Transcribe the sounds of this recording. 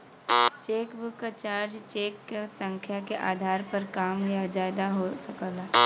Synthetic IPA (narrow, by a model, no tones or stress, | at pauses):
t͡ʃeːkbʊkːat͡ʃaːɾd͡ʒt͡ʃeːkːesə̃ŋkʰjakeʔaːd̪ʱaːɾpɐɾkaːmɡijad͡ʒaːd̪aɦosɐkəlaː